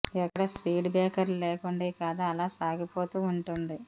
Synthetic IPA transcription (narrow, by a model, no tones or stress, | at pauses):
ɛkːɐɽɐspiːɖbɛːkɐɾluleːkuɳɖiːkaːd̪aːɐlaːsaːɡipo̞ːt̪uːuɳʈund̪i